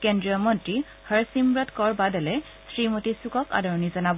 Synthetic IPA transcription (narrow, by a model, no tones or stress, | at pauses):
kɛndɹijɔmɔntɹi | həɹsimbɹɔtkɔɹbadɔlɛ | sɹimotisukɔka̰dɔɹɔnizɔnabɔ